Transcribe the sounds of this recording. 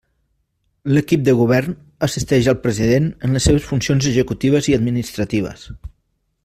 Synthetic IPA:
ləkip̚d̪əɣuβɛrn | əsist̪ɛʒəlˠpɾəziðenənləsːeβ̞əsfunsionzəʒəkut̪iβ̞əziəd̪minist̪ɾət̪iβ̞ə̰s

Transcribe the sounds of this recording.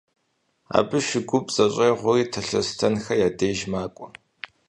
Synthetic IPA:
a̰ːbɨʃɪɡʷʊpʼz̥ɐɕʼeːʁʷʊriːtʰɐɬɐstʰɐnxɐjaːdeːʒmaːkʷʼʊ

